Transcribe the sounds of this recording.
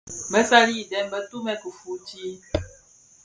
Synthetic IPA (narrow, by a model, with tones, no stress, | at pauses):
mə˦sa˦li˦˨dɛ˨˦m˦bə˦tu˦mɛ˦ku˨fu˨˦ti˦